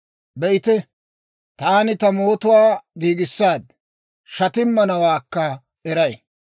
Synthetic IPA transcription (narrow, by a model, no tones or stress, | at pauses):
bɛʔɪt̪ɛ | t̪aːnɪt̪ɐmo̞ːt̪ʊwaːɡiːɡɪsːaːd̪̚ | ʃɐt̪ɪmːɐnɐwaːkːɐ | ɛɾɐj